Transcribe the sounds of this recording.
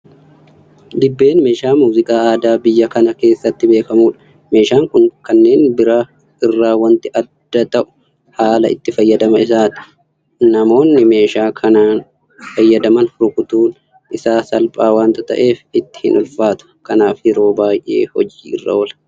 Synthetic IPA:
d̪ɪbːe̞ːnme̞ːʃaːmuːzɪkʼaːaːd̪aːbɪjːɐkɐnɐke̞ːsːɐt̪ːɪbe̞ːkɐmuːᶑɐ̥ | me̞ːʃaːŋkʊŋkɐnːe̞ːnbɪɾaː | ɪrːaːwɐnt̪ɪʔɐd̪̥ːɐt̪ɐʔʊ̥ | haːlɐɪ̰t̪ːɪfɐjːɐd̪ɐmɐɪsaːt̪ɪ̥ | nɐmo̞ːnːɪme̞ːʃaːkʰɐnaːn | fɐjːɐd̪ɐmɐnɾʊkʊt̪uːn | ɪsaːsɐlpʼaːwaːnt̪ɐt̪ɐ̰ʔe̞ːfɪt̪ːɪ̥hɪnʔʊlfaːt̪ʊ̥kɐnaːfjɪɾo̞ːbaːjʔe̞̰ːhɔd͡ʒiːɪ̰rːɐ̰wɔlɐ̥

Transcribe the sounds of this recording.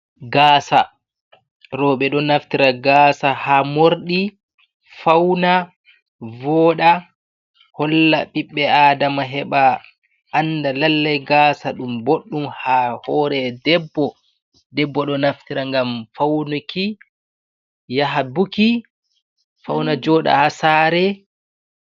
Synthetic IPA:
ɡaːsa | ɾɔːɓɛɗɔnaftiɾaɡaːsahamoɾɗi | fawna | vɔːɗa | hɔlːaɓiɓːɛaːdamaɦɛɓa | ʔːndalalːajɡaːsaɗumboɗːumhahɔːɾɛdɛbːɔ | dɛbːɔɗɔnaft̪iɾaŋɡamfawnuki | jaɦabuki | fawnad͡ʒɔːɗa̰hasaɾɛ

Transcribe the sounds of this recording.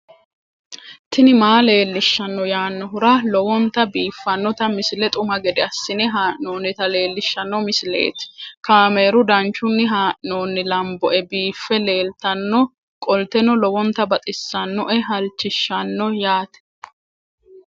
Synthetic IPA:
t̪ʰɪnɪmaːle̞ːlːɪʃːɐnːɔjaːnːɔɦʊɾalɔwɔnt̪ːɐbiːfːɐnːɔt̪ɐmɪsɪlɛt̪ʼʊmɐɡɛd̪ɛɐsːɪnɛɦaːʔno̞ːnːɪt̪ɐle̞ːlːɪʃːɐnːɔmɪsɪlḛːt̪ɪ̥kaːme̞ːɾʊd̪ɐnt͡ʃːʊnːɪɦaːʔno̞ːnːɪlɐmbɔʔɛbiːfːɛle̞ːlt̪ɐnːɔ | kʼɔlt̪ɛnɔlɔwɔnt̪ːɐbɐt̪ʼɪsːɐnːɔʔɛɦɐlt͡ʃːɪʃːɐnːɔjaːt̪ɛ̥

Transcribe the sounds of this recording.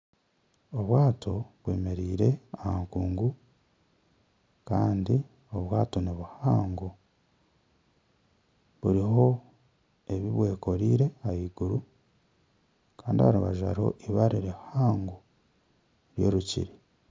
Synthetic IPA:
oβwaːtʰo̞βwe̞̰ːme̞ɾiːɾe̞ahaŋkuːŋɡu | kaːndi | o̞βwaːto̞neβuhaːŋɡu | βuɾiɦo̞ | e̞βiβwe̞ːko̞ɾiɾe̞ajiːɡuɾu | kaːndihaɾuβaʒa̰ɾo̞̰ʔiβaɾiɾehaːŋɡu | ɾjḛːɾucḭɾi

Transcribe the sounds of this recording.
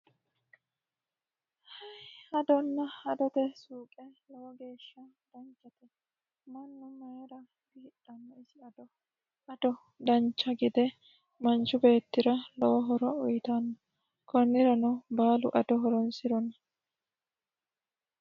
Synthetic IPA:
hɐjhɐd̪ɔnːɐhɐd̪ɔt̪ɛsuːkʼɛlɔwɔɡe̞ːʃːɐd̪̥ɐnt͡ʃːɐt̪ɛ | mɐnːʊmɐjɛɾɐ | ɪhɪᶑɐnːɛɪsɪɐd̪ɔ | ʔɐd̪ɔ | d̪ɐnt͡ʃːɐɡɪd̪ɛ | mɐnt͡ʃːʊbe̞ːt̪ːɪɾɐlɔwɔɦɔɾɔɔjɪt̪ɐnːɐ | kɔnːɪɾɐnɔbaːlʊ̰ʔɐd̪ɔɦɔɾɔnsɪɾɔnɐ

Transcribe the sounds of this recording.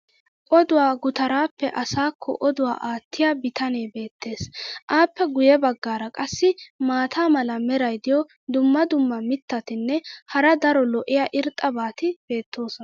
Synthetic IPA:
ʔʼɔd̪ʊwaːɡʊt̪ɐɾaːpːɛʔɐsaːkʰːɔ̰ʔɔd̪ʊwa̰ːʔaːt̪ːɪjaːbɪt̪ɐne̞ːbe̞ːt̪ːe̞ːsʔaːpːɛɡʊjɛbɐɡːaːɾɐkʼɐsːɪmaːt̪ʰaːmɐlɐmɛɾɐjd̪ɪjɔ | d̪ʊmːɐd̪ʊmːɐmɪt̪ːɐt̪ɪnːɛhɐɾɐd̪ɐɾɔlɔʔɪjaʔɪɾt̪ʼːɐbaːt̪ɪb̥e̞ːt̪ːo̞ːsɔnɐ

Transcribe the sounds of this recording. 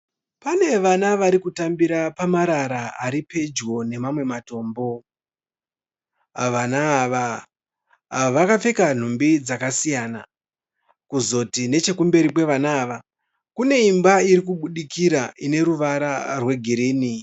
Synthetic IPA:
pane̞ʋanaʋaɾikutambiɾapamaɾaɾaaɾipe̞d͡ʒwo̞ne̞mamwe̞mato̞ːmbo̞ | ʋanaːʋa | ʋakafe̞kan̤umbid͡zakasijaːna̰ | kuzo̞tine̞t͡ʃe̞kumbe̞ɾipwe̞ʋanaːʋa | kune̞imbaiɾik̬uɓuɗikiɾaʔine̞ɾuʋaɾarwe̞ɡʱiɾiːni

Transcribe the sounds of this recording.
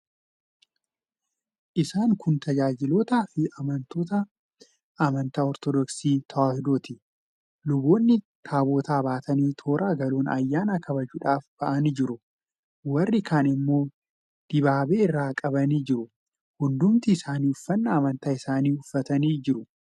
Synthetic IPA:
ʔɪsaːŋkʊnt̪ɐd͡ʒaːd͡ʒɪlo̞ːt̪aːfɪɐmɐnt̪o̞ːt̪ɐ | ʔːmɐnt̪aːɔɾt̪ɔd̪ɔksiːt̪ʰɐaːfd̪o̞ːt̪ɪ | lʊbo̞ːnːɪ | t̪ʰaːbo̞ːt̪aːbaːt̪ɐniːt̪ʰo̞ːɾʔaːɡɐlo̞ːnɐjːaːnaːkʰɐbɐd͡ʒuːᶑaːfb̥ɐʔɐnd͡ʒɪɾʊ | wɐrːɪkʰaːnɪmːo̞ː | d̪̥ɪbaːbeːɪrːaːkʼɐbɐniːd͡ʒɪɾʊ | hʊnd̪ʊmt̪ɪːsaːniːʊfːɐnːɐːmɐnt̪aːɪsaːniːʊfːɐt̪ɐniːd͡ʒɪɾʊ

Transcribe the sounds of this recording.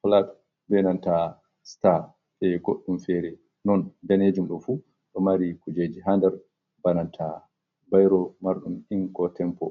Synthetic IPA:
hɔlat | bɛnanta | sta | ɓɛɡoɗːumfɛːɾɛ | nɔndaned͡ʒumɗɔfu | ɗɔmaɾikud͡ʒed͡ʒiɦandɛɾ | banantʰa | bajɾɔmaɾɗumiŋkɔtɛmpɔ̰

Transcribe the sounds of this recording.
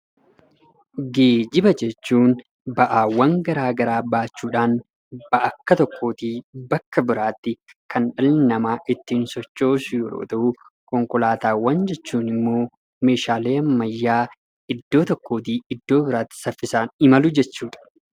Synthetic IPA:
ɡe̞ːd͡ʒɪbɐd͡ʒɛt͡ʃːuːn | bɐʔaːwːɐŋɡɐɾaːɡɐɾaːbaːt͡ʃːuːᶑaːn | b̥ɐʔɐkːɐt̪ɔkːo̞ːt̪iːbɐkːɐbɪɾaːt̪ːɪkɐnᶑɐlɪnɐmaːʔɪt̪ːiːnsɔt͡ʃːo̞ːsʊjɔɾo̰ːt̪ɐʔu | kɔŋkɔlaːt̪aːwːɐnd͡ʒɛt͡ʃːuːnɪmːo̞ː | me̞ːʃaːle̞ːɐmːɐjːaː | ɪd̪ːo̞ːt̪ɔkːo̞ːt̪iːɪd̪ːo̞ːbɪɾaːt̪ːɪ̥sɐfːɪsaːnɪmɐlʊd͡ʒɛt͡ʃːuːᶑɐ̥

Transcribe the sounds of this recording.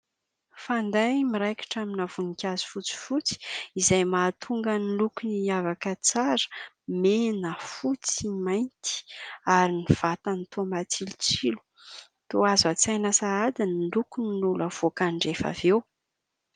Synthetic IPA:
fand̪ajmiɾajkḁʈ͡ʂaminav̥unikʲazi̥fut͡si̥fut͡si̥izajmaːt̪ʰuŋɡənilukiniavakət͡saɾə̥ | menəfut͡simajnt̪i̥aɾiniv̥at̪ant̪omat͡sʰilut͡silu̥ | t̪oazat͡sajnasaad̪inilukuninuləv̥okaɳɖ͡ʐefa̰vew

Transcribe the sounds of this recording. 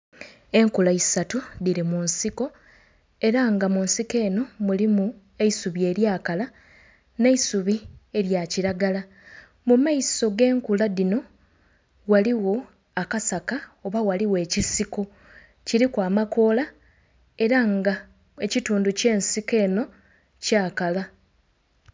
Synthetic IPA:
e̞ŋkulaisatuðiɾimunsiko̞ | e̞ɾaŋɡamunsike̞ːno̞mulimu | e̞isuβie̞ːɾjaːkala | ne̞isuβie̞ɾjaciɾaɡala | mumaiso̞ɡe̞ːŋkulaðino̞ | waliwo̞ | akasakao̞βawaliwe̞ːcisiko̞ | ciɾikwaːmako̞ːla | e̞ɾaŋɡa | e̞cituːnduce̞ːnsike̞ːno̞ | caːkala

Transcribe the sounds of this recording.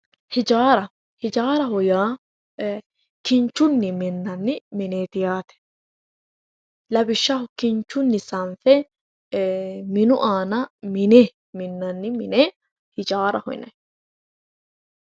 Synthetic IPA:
hɪd͡ʒaːɾɐ | hɪd͡ʒaːɾɐɦɔjaː | kɪnt͡ʃːʊnːɪmɪnːɐnːɪmɪneːt̪ɪjaːt̪ɛ̥ | lɐbɪʃːɐhʊkɪnt͡ʃːʊnːɪsɐnfɛ | mɪnʊʔaːnɐmɪne | mɪnːɐnːɪmɪneː | hɪd͡ʒaːɾɐ̰hɔ̰jnɐ̰j

